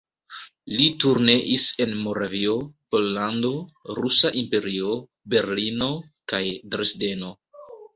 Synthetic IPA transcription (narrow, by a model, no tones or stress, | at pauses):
lituɾneʔise̞nmo̞ɾavio̞po̞lːando̞ɾusaʔimpe̞ɾio̞ | be̞ɾlino̞ | kajdɾesde̞no̞